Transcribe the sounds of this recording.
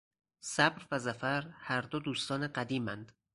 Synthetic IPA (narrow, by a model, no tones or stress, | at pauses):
sæbɾvæzæfæɾhæɾd̪od̪uːst̪ɒːneɢæd̪iːmænd̪̥